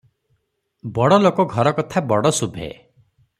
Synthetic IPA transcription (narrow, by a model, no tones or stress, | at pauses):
bɔɽɔlokɔɡʱɔɾɔkɔt̪ʰabɔɽɔsubʱḛ